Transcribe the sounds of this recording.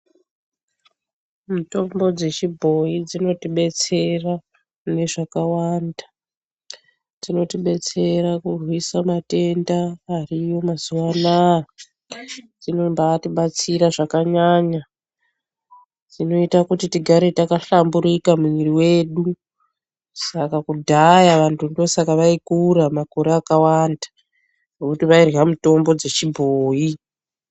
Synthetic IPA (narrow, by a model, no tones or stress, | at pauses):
mito̞mbo̞d͡ze̞t͡ʃibʱo̞id͡zino̞tiɓe̞t͡se̞ra | ne̞ʐakawanda | d͡zino̞tiɓe̞t͡se̞ɾakurwisamate̞ndaːrijo̞mazuwana | d͡zino̞mbaːtiɓat͡siɾaʐakaɲaːɲa | tino̞itakutitiɡʱaɾe̞takaɬambuɾikamuiriwe̞ːɗu | sakakudʱajaʋantʰundosakaʋaikuɾamako̞ɾeakawanda | nokutiʋairɦamuto̞mbo̞d͡ze̞t͡ʃibʱoːi